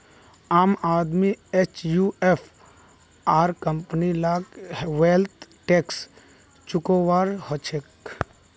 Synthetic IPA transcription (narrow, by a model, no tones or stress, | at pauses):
aːmaːd̪miet͡ʃjuefʰ | aːɾkəmpnilaːɡɦwelt̪ʰʈeːks | t͡ʃʊkoːwaːɾhɔt͡ʃʰek